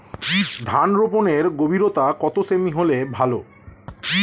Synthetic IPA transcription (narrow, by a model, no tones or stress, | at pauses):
d̪ʱanɾoponeɾɡobʱiɾot̪akɔt̪osemiɦolebʱalo